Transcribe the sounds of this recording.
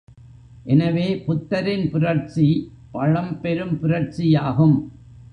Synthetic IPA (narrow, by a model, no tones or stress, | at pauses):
ʔɛnɐʋeːpʊt̪ːɐɾɪnpʊɾɐɾt͡ʃi | pɐɻɐmpɛɾɯmpʊɾɐɾt͡ʃijaːɣɯm